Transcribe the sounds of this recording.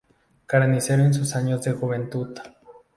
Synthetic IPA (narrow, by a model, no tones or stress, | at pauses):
kaɾaniseɾoensusaɲot͡sexuβent̪ut̪ḁ